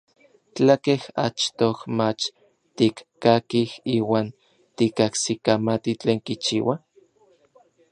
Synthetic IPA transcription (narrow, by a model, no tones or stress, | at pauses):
t͡ɬakeha̰t͡ʃt̪ohmat͡ʃ | t̪ikkːakihiːwaːn | t̪ikaksikamat̪it͡ɬeːŋkit͡ʃḭːwa